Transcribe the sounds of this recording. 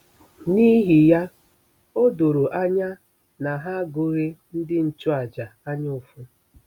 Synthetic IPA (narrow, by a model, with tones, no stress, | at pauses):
ni˦ɦi˨ja˦ | o˦do˨ɾo˨ʔa˦ɲa˦ | na˨ɦa˦ɡo˦ɾe˦n̩˦dɪ˦n̩˨t͡ʃʊ˦a˨d͡ʒa˨a˦ɲa˦o˨fʊ˦